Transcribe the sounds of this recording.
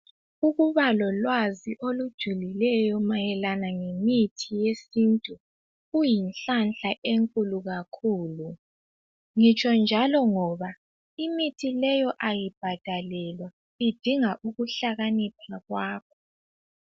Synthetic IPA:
uɣuβalɔlwaziʔolud̥ʒ̥ʱulilɛjɔmajɛlanaŋemitʰijesintʼu | ɣujinɬanɬaʔeŋkʼuluɣakʰuːlu | ŋit͡ʃʼɔnd͡ʒʱalɔŋɔβa | imitʰilɛjɔʔajib̥ʱad̥ʱalɛlwa | id̥ʱiŋaʔuɣuɬaɣanipʰaɣwaːkʰɔ̥

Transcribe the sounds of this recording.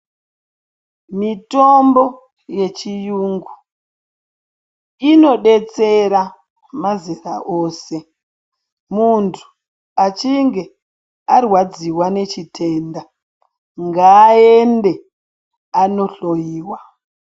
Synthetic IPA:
mitombo̞ | je̞t͡ʃijuːŋɡu | ino̞ɗe̞t͡se̞ɾa | mazira̰ʔoːse̞ | muntʰu̥ | at͡ʃiŋɡe̞ | arwad͡ziwane̞t͡ʃitʰe̞ːnda | ŋɡaːende̞ | ano̞ɬo̞jiːwa

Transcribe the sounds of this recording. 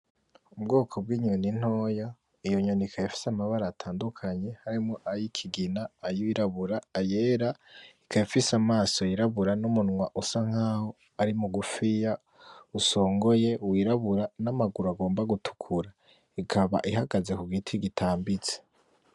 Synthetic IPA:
ubɡoːkʰo̞b̚ɡiːɲuonin̥ho̞ːja | ijoɲonikʰajifi̥samaβaɾaːtʰaːndukʰaɲe̞haɾimŋoʔajikʰiɡinaːjiwiɾaβuɾaːje̞ɾaikʰajifisamaːso̞jiɾaβuɾanumunŋwaʔusaŋ̥haːho̞ | aɾimuɡufija | uso̞ːŋɡo̞je̞wiɾaβuɾanamaɡuɾaɡo̞ːmbaɡutʰu̥kʰuɾa | ikʰaβa̰ʔiɦaɡaze̞kuɡitʰiɡitʰaːmbit͡se̥

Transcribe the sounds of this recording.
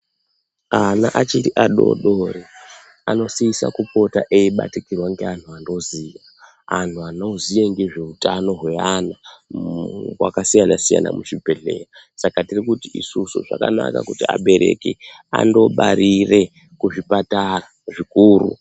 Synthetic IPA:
anaʔat͡ʃiɾiʔaɗo̞̰ɗore | ano̞siisa̰kupo̞taʔeiɓa̰tikirwaŋɡe̞an̤ʰuando̞ziʋa | antʰuano̞zijeŋɡeʐe̞utano̞ɦwe̞ana | wa̰kasijanasija̰na̰mut͡ʃipe̞ɮe̞̰ːra | sakatirikutiisusuʐa̰kana̰ka̰kutiaɓe̞ɾe̞̰ke | a̰ndo̞ɓaɾire̞ | kuʐipatara | ʐikuːrṵ

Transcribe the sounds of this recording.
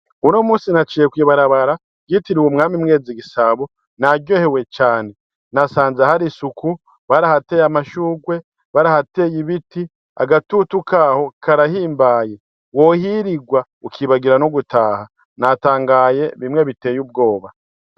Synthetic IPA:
uno̞muːsinat͡ʃijekwiːβaɾaβaɾa | ɡitiɾiwumŋaːmimŋe̞ːd͡ziɡisaβo | naɟjo̞ːhewe̞t͡ʃaːne̞ | nasaːnzahaɾisuku | βaɾahate̞ːjamaʃuːɡwe̞ | βaɾahate̞jiβiti | a̰ɡatutukaːho̞kʰaɾahiːmbaːje̞ | wo̞hiɾiɡwa | ukʰiːβaɡiɾanoɡutaːha | nataːŋɡaje̞βimŋe̞βite̞ːjub̚ɡo̞ːβa

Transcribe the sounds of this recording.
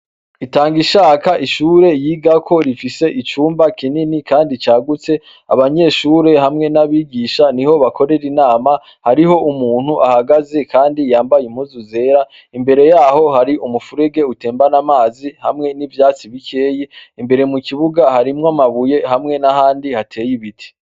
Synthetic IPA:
itaːŋɡiʃaːkaʔiʃuːɾe̞jiːɡakʰo̞ɾifise̞ʔit͡ʃuːmbakininikaːndit͡ʃaːɡut͡se̞ | a̰βaɲe̞ʃuːɾe̞ɦamŋe̞naβiːɡiːʃaniho̞βako̞ɾe̞ɾinaːma | haɾiɦo̞ʔumuːn̥huʔahaɡaze̞kaːndijaːmbajimuzuze̞ːɾa | imbe̞ɾe̞jaːho̞haɾiʔumufuɾeɡe̞ute̞ːmbanamaːziha̰mŋe̞nivjaːt͡siβikʰe̞ːjiimbe̞ɾe̞mukiβuɡahaɾimŋamaβuje̞hamŋe̞nahaːndihatʰe̞ːjiβitʰi̥

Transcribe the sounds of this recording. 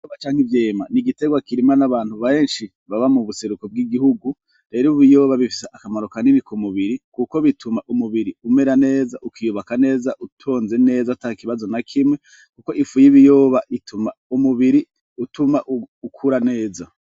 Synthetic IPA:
ijoːβat͡ʃaːŋhivje̞ːmaniɡite̞ɡwakiɾimanaβaːn̥huβaeːnʃi | βaβamuβuse̞ɾuko̞b̚ɡiɡihuɡu | ɾe̞ːɾiuβijo̞ːβaβifi̥seʔakamaɾo̞kaninikumuβiɾikuko̞βitʰumaʔumuβiɾiume̞ɾane̞ːzaʔukijoβakane̞ːzaʔutʰo̞ːnze̞ne̞ːzautakiβazo̞nakʰimŋwe̞ | kuko̞ʔifujiβijo̞ːβaʔitʰumaumuβiɾi | utumaʔukʰuɾane̞ːza

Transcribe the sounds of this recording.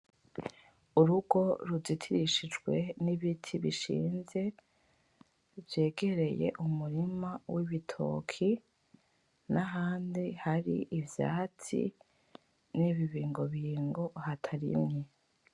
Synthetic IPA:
uɾuɡo̞ɾuzitʰiɾiʃid͡ʒɡwe̞niβitʰiβiʃḭːnze̞ | vje̞ːɡe̞ɾe̞je̞̰ʔumuɾimawiβitʰo̞̰kʰi | naɦaːndihaɾḭʔːvja̰ːt͡sḭ | niβiβiːŋɡo̞βiːŋɡo̞hatʰaɾḭmɲe

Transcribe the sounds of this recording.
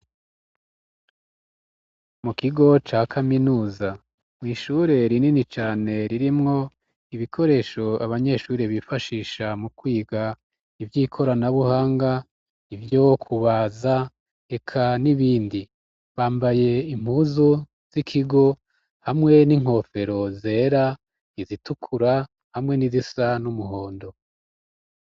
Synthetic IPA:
mukiɡo̞t͡ʃaːkʰaminuːza | mŋiːʃuɾe̞ɾininit͡ʃaːne̞ɾiɾimŋo̞ | iβikʰo̞ɾe̞ːʃo̞aβaɲe̞ʃuːɾeβifaʃiːʃamukwiːɡa | ivjiːkʰo̞ɾanaβuhaːŋɡa | ivjo̞kʰuβaːza | e̞kʰaniβiːndi | βaːmbaje̞im̥huzu | z̥ikʰiɡo̞ | hamŋe̞niŋho̞fe̞ɾo̞ze̞ːɾa | izitukʰuɾa | hamŋe̞nizisanumuɦo̞ːndo̞

